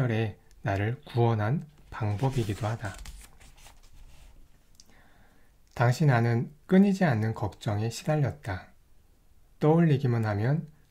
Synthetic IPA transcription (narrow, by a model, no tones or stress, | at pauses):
ʌɾe̞naɾɯɭkuʌnɦanpaŋbʌbiɡidohada | taŋɕʰinanɯnk͈ɯɲid͡ʑianːɯnkʌk̚t͡ɕ͈ʌŋe̞ɕʰidaʎːʌt̚t͈a | t͈ʌuʎːiɡimɯnɦamjʌn